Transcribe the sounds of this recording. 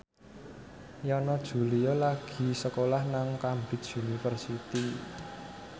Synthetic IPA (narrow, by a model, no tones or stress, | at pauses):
jɔnɔd̥ʒ̥ṳlijɔlaɡ̥i̤səkolahnaŋkambɪt̪̚unifərsit̪i